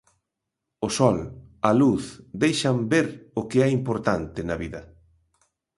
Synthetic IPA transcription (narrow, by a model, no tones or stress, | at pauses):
ʊsɔlɐluθd̪ejʃɐmbeɾʊkɪɛimpoɾt̪ant̪ɪnɐβiðɐ